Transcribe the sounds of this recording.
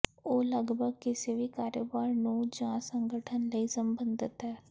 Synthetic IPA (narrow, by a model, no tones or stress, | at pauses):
oːləɡbʱəɡ̚kɪseʋikaːɾjəbaːɾnũd͡ʒãːsə̃ŋɡəʈʰənləisəmbənd̪ɪt̪ɦɛː